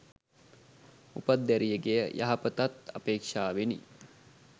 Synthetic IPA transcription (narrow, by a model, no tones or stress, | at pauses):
upad̪ːæɾijəɡejəjʔa̰ɦɐpət̪at̪a̰peːkʂaːʋenḭ